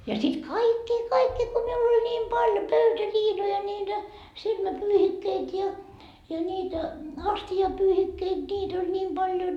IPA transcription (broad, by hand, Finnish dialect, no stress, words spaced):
jɑ sit kɑikːiː kɑikːiː ko miul olʲ nʲiːm pɑljo pøytæliːnojɑ nʲiːtæ silmæpyːhikːeit jɑ jɑ niːtæ ɑstiɑpyːhikːeit nʲiːt olʲ nʲiːm b̥ɑljon